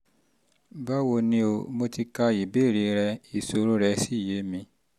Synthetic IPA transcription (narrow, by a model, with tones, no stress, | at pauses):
ba˦wo˧nĩ˧o˧mo˧ti˧ka˧i˨be˦˨ɾi˧ɾɛ˧i˨so˧ɾõ˦ɾɛ˧si˦˨je˨˦mĩ˧